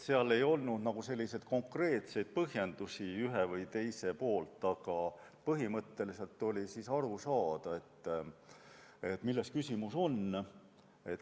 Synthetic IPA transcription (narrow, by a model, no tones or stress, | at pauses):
se̞ɑle̞jo̞lnud̪̥nɑɡ̥use̞lʲːise̞t̪ko̞ŋkre̞ːt̪se̞jd̪̥̚pɤɦje̞nd̪̥usiyɦevɤjt̪e̞jse̞po̞ːlt̪ːˑɑɡ̥ɑpɤɦimɤt̪ːe̞lise̞lt̪ːˑo̞lʲisisɑɾusɑːd̪̥ɑe̞t̪ː | e̞t̪ːmilːe̞skysʲimuso̞n | e̞t̪